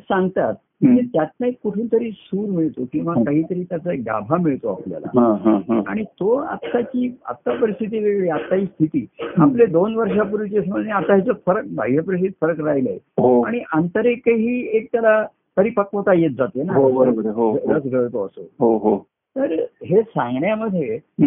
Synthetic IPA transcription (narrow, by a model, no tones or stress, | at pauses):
sãŋɡt̪at̪̚ | it̪et̪jat̪̚naikuʈʰuːnt̪əɾiːsuːɾmiɭt̪okĩw̃ʋakaɦiːt̪əɾiːt̪jat͡səek̚ɡa̰bʱamiɭt̪oaplja̰la̰ɦãɦãɦa̰ɽ̃it̪oa̰t̪ːat͡ɕiːa̰t̪ːapəɾist̪ʰit̪iʋeɡɭiːat̪ːaiːst̪ʰit̪iːapled̪onʋəɾʂapuɾut͡ɕiəs̬məneat̪aɦat͡səfəɾək̚bʱaɦiəpəɾist̪it̪fəɾəkɾaɦiləḛɦoaɽ̃iʔənt̪əɾekəɦiːek̚t̪jala | kəɾiːpəkʋət̪ajet̪̚d͡zat̪enaɦəɾobəɾɦoət͡sɡʱəɭt̪oəsoɦoɦo | t̪əɾɦesãŋɡɳjaməd̪ʱje